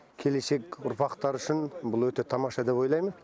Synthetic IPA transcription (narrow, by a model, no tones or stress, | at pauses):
kʲʰe̞le̞se̞kʲʊɾpɑqt̪ɑɾʏʃɪnbʊlˠwɵt̪e̞t̪ʰɑmɑʃɑd̪e̞po̞jlˠɑjmən